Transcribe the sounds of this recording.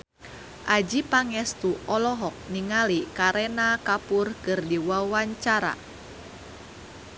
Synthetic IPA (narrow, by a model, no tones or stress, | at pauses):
ʔad͡ʒipaŋɛst̪uʔɔlɔɦɔk̚niŋalikaɾɛnakapʊrkɨrdiwawaɲt͡ʃaɾa̰